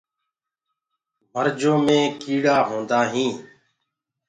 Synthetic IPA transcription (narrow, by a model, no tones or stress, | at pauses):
məɾd͡ʒõːmẽːkiːɽaːɦõːnd̪aːɦĩː